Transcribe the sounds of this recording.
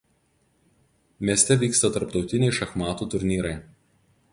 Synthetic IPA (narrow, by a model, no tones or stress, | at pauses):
mʲeɛsʲt̪ʲɛʋʲiːkst̪ɐt̪ɐɾpt̪ɒʊt̪ʲɪnʲɛɪʃɐxmɑːt̪uːt̪ʊɾʲnʲiːɾɐɪ